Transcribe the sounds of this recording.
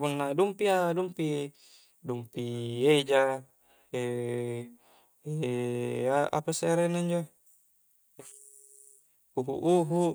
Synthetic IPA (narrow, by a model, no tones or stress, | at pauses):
punːadumpiadumpi | dumpied͡ʒa | e | e | aa̰paseaɾenaiɲd͡ʒo | uɦṵʔuɦu